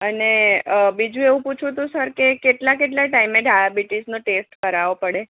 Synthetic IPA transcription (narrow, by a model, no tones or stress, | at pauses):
ənebid͡ʒũeʋũput͡ʃʰũt̪̬ũsəɾkekeʈlakeʈ̬laʈaimeɖʱajabiʈisnoʈesʈkəɾaʋopəɽe